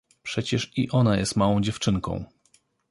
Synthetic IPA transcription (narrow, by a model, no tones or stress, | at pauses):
pʂɛt͡ɕɛʂiʔɔnajɛst̪mawɔ̃w̃d͡ʑɛft͡ʂɘŋkɔ̰̃w̃